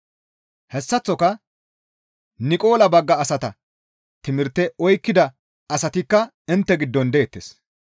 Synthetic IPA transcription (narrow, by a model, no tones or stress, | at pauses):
hɛsːɐt͡sːɔkɐ | nɪkʼo̞ːlɐbɐɡːɐːsɐt̪ɐ | t̪ɪmɪɾt̪ːɛɔjkːɪd̪ɐ | ɐsɐt̪ɪkːɐ | ɪnt̪ːɛɡɪd̪ːɔnd̪eːt̪ːeːs